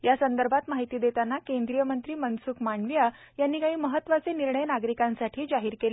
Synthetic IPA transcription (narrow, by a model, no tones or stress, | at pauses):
jasənd̪əɾbʱat̪maɦit̪iːd̪et̪anːakend̪ɾijəmənt̪ɾiːmənsukmaɳʋija | janːiːkaɦiːməɦət̪ːʋat͡seniɾɳəjnaɡɾikãnsaʈʰiːd͡zaɦiːɾkele